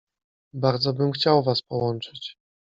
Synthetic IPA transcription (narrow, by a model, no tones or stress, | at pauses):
baɾd̪zɔbɘmxt͡ɕawvaspɔwɔnt͡ʂɘt͡ɕ